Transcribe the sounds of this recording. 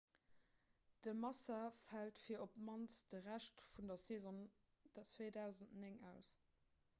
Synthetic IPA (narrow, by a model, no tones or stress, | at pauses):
d̥əmɑsɐfæltfiːɐopmɑnsd̥əʁæʃtfundɐseːzɔn | d̥ɐt͡sweːdæʊzəntneŋæʊs